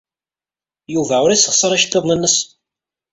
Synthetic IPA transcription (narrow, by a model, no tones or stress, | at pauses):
juvæʊɾisəχsˤəɾˤæʃt̪ːeðˤnənːəs